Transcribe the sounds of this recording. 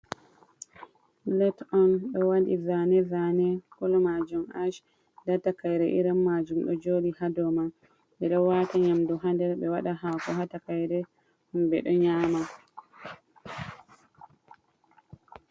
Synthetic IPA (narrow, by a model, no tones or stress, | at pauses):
lɛtɔnɗɔwadizanɛzanɛkɔlɔmad͡ʒumaʃ | datakajɾɛʔiɾamːad͡ʒumɗɔd͡ʒoɗihadɔma | dɛɗɔwataɲamduɦandɛɾɓɛwaɗaɦakɔɦatakajɾɛ | humbɛ̰ɗɔɲaːma